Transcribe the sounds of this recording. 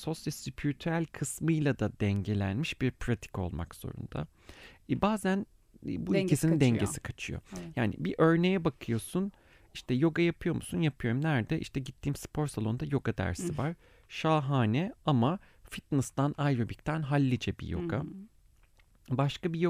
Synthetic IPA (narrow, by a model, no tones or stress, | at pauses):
so̞sjɛsypʰiɾit̪ʰyɾælʲkʰɯsmɯjlˠad̪ad̪ɛɲɟe̞lʲæ̰nmiʃbiɾpʰɾat̪ʰi̥kʰo̞̰lˠma̰kz̥o̰ɾṵnd̪̥a̰ | baːzænː | buicʰisinind̪ɛɲɟesi̥kʰat͡ʃʰɯjo̰jaːnḭbiʔø̞ɾne̞jɛbakʰɯjo̞sun | iʃt̪ʰɛjo̞ɡajapʰɯjo̞musunjapʰɯjo̞ɾumnæɾd̪ɛʔḭʃt̪ʰɛɟit̪ʰːiːmspʰo̞ɾsalˠo̞nd̪ajo̞ɡad̪æ̰ɾsivaɾ̥ | ʃaːɦaːnɛama | fit̪nɨst̪anajɾobict̪ʰænɦalʲːid͡ʒɛbḭjo̞̰ɡa | baʃkabij